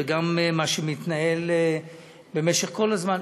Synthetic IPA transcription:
eɡammaʃemit̪nael | bemeʃeχko̞lazman

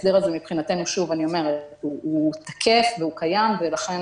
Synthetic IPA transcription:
sd̪iʁazemipχinatenuʃuvanio̞me̞ʁetuːt̪ḁkʰe̞fveukajamvelaχen

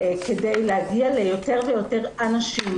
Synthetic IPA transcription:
kedejleaɡialejo̞te̞ʁvejo̞te̞ʁanaʃim

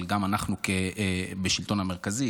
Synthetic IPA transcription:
lɡamanaχnukebeʃilt̪o̞nhame̞ʁkazi

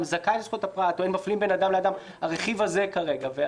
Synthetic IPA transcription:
mzakaetsot̪apʁat̪oenmaflimbe̞nad̪amlead̪am | aʁeχivaze̞kaʁe̞ɡave

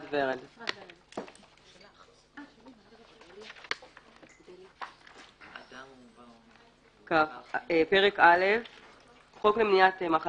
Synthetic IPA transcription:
dveʁeld | kaχepeʁekalef | χoklemnijat̪emaχa

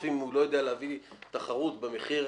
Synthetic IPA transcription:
fimulo̞jo̞d̪ejaleavit̪aχaʁut̪beme̞χiʁ

